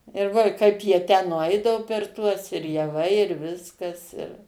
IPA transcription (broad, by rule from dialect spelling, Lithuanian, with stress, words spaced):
ɪr ˈʋoː ɪ ˈkɐɪp jiɛ tʲæː nʊˈɐɪdɐʋoː pʲɛr ˈtuɔs ɪr jɛˈʋɐɪ ɪr ˈʋʲɪskɐs ɪr